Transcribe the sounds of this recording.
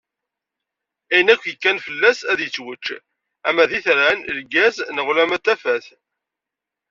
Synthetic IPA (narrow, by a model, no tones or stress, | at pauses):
æjənækʷːjəkːænfəlːæsæðjət͡sːwət͡ʃː | æmæðiθəɾænəɾɡæznəʁlæmæt̪ːæfæθ